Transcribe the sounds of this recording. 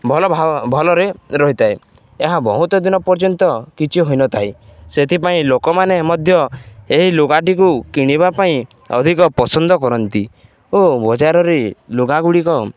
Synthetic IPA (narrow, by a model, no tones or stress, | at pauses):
bʱɔlɔbʱbʱɔlɔɾeɾɔɦit̪ʰae | eɦabɔɦut̪ɔd̪inɔpɔɾd͡ʒɔnt̪ɔkit͡ʃʰiɦojnɔt̪ʰajset̪ʰipaĩlokɔmanemɔd̪ʱjɔeɦiloɡaʈ̬ikukiɽ̃iβapaĩ | ɔ̰d̪ʱikɔpɔsɔnd̪ɔkɔɾɔnt̪ḭ | obɔd͡ʒaɾɔɾeloɡaɡuɽikɔ